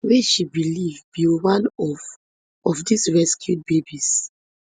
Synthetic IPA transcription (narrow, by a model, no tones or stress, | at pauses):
wɛʃibilivbiwãnɔ | ɔfdisɹɛskʰjut̚bebis